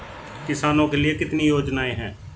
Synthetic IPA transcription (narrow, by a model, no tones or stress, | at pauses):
kɪsaːnõːkelɪekɪt̪nijoːd͡ʒnaːeːɦɛ̃ː